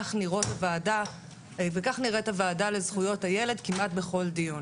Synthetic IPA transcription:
aχniʁo̞tavaːda | vekaχniʁetavaːdale̞zχujo̞thajele̞dkimʔat̚be̞χo̞ldijun

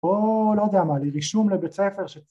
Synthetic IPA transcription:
olojd̪amaliʁiʃuːmlebet͡seːfeʁʃe

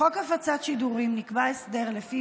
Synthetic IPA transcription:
okafat͡sat̪ʃid̪uʁimnikbaesd̪eʁlefi

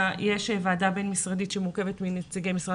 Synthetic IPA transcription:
jeʃevaːdabe̞nmisʁaditʃemuʁke̞vet̪minet͡siɡemisʁa

